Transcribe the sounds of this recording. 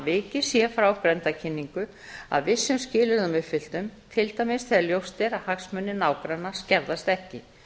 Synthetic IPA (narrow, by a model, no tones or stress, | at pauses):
vɪːcɪsjɛfɾawpɾɛnt̪acʰɪnːiŋkʏ | a̰ðvɪsːʏmscɪːlʏɾðʏmʏfɪl̥t̪ʏmt̪ʰɪlt̪awmɪst̪θɛðɾljowst̪ɛɾaðhaksmʏnːɪnaːwkɾanːascɛɾðast̪ɛhcɪ